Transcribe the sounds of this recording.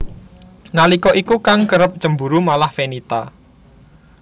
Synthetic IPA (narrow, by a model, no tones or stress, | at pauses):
nalikɔʔikukaŋkəɾəp̚t͡ʃəmbuɾumalahfenit̪a